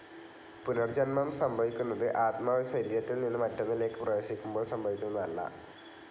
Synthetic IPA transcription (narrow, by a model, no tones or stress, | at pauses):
punɐrd͡ʑɐnmɐmsɐmbʱɐʋikʲːunːɐðɨʔaːt̪maːʋɐɕɐɾiːɾɐt̪ːilninːɨmɐtːɐnːiile̞ːkːɨprɐjeːsikʲːumbo̞ːɭsɐmbʱɐʋikʲːunːɐðɐlːɐ̰